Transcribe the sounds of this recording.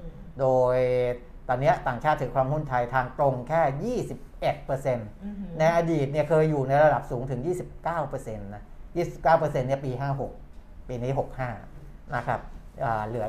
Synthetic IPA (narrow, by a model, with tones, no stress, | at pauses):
doː˧j | t̪ɔː˧nːi˦˥ɐt̪aː˨˩ŋt͡ɕʰaː˥˩t̪ʰːɯ˩˦ŋkʰwaː˧mhu˥˩nt̪ʰa˧jt̪ʰaː˧ŋt̪ɾo˧ŋkʰɛː˥˩jiː˥˩si˨˩p̚ʔe˨˩t̪̚pɤː˧se˧nna˧jʔaː˧diː˨˩t̪̚ni˥˩əkʰɤː˧jːuː˨˩na˧jɾa˧da˨˩p̚suː˩˦ŋt̪ʰɯ˩˦ŋjiː˥˩si˨˩p̚kaː˥˩wpɤː˧se˧nːa˦˥jiː˥˩si˨˩p̚kaː˥˩wpɤː˧se˧nːi˥˩ɐpiː˧ɦaː˥˩ɦo˨˩k̚ | piː˧niː˦˥ɦo˨˩k̚haː˥˩ | na˦˥kʰɾa̰˦˥p̚ʔaː˨˩lɯ˩˦